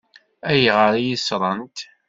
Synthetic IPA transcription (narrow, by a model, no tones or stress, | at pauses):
æjʁəɾijisɾˤɑnt̪